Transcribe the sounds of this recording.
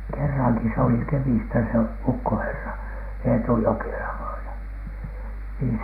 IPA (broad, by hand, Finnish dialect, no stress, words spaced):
kerːɑŋki s oli kemistæ se ukːoherːɑ eːtu jokelɑ ʋɑinɑ niː